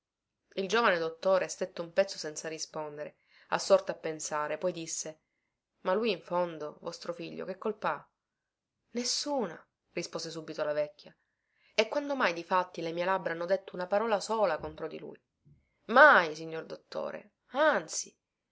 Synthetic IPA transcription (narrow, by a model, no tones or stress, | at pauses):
ild͡ʒoːvaned̪ot̪ːoːɾest̪et̪ːoumpɛt̪sːosɛnt̪sarispond̪eɾe | a̰sːɔrt̪oapːensaːɾepɔjd̪isːe | malːujiɱfond̪ovɔst̪ɾofiʎːo̰k̟ekːolpa | nesːuːna̰ | rispoːzes̬uːbit̪olavɛkʲːja | ekːwand̪omajd̪ifat̪ːilemiːelabːɾaanːod̪et̪ːounapaɾɔːlasoːlakont̪ɾod̪ḭlṵːj | majsiɲːord̪ot̪ːo̰ːɾḛ | ant̪si